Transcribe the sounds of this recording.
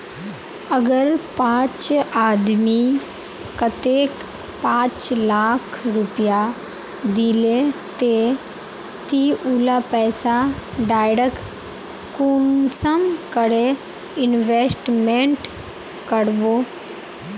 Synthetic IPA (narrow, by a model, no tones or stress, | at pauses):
əɡəɾpãt͡ʃad̪mi | kət̪ek | pãt͡ʃlakʰɾupja | d̪ilet̪e | t̪iulapɛːsaɖajɽək | kunsəmkəɽe | ɪnʋesʈmeɳʈ | kəɽbo